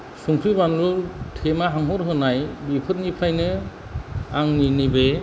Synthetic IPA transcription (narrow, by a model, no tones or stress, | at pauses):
suŋtʰɾɯbanlutʰemaɦaŋɦɔɾɦɯnajbipʰɯt̚nipʰajnɯ | aŋninibe